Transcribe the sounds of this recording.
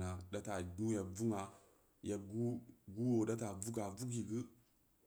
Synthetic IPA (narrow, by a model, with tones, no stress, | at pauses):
na˨ɗa˦ta˨ɡu˦ja˨vu˦ŋa˨ | ja˨ɡu˦ɡu˦wo˨da˦ta˨vu˦ka˨vu˦ki˨ɡɨ˦